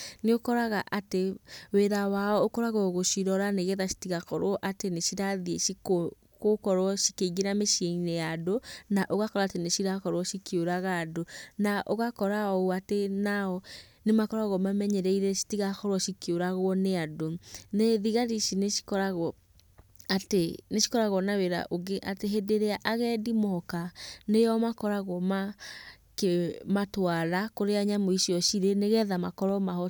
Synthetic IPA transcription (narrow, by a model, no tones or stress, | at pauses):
neokɔɾaɣaʔateweɾawaɔokɔɾaɣɔɣoʃiɾɔɾaneɣeðaʃi̥tiɣakɔɾwɔʔateneʃiɾaðieʃiko | kokɔɾwɔʃi̥keiɣeɾameʃieinejadonaʔoɣakɔɾaːteneɕiɾakɔɾwɔʃikjoɾaɣaːdonaʔoɣakɔɾaɔuatenaɔ | nemakɔɾaɣɔmamɛɲɛɾɛiɾɛsi̥tiɣaxɔɾwɔʃikjoɾaɣwɔneadoneðiɣaɾiʃineʃi̥kɔɾaɣɔ | ateneʃi̥kɔɾaɣɔnaweɾa̰ʔoɡeʔateɦedeɾeaʔaɣɛdimɔɔkanejɔmakɔɾaɣɔma | kematwaɾakoɾeaɲamoiɕiɔɕiɾeneɣɛðamakɔɾɔmaɦɔ